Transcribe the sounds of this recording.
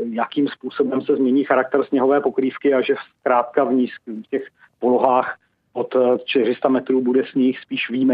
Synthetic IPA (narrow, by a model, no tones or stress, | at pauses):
jakiːmspuːso̞bɛmsɛzmɲɛɲiːxaɾak̚t̪ɛɾsɲɛɦo̞vɛːpo̞kɾiːfkɪaʒɛskɾaːt̪̚kavɲiskfcɛx | poloɦaːx | ʔot̪t͡ʃt̪ɪrɪst̪amɛt̪ɾuːbudɛsɲɪxspiːʃviːmɛ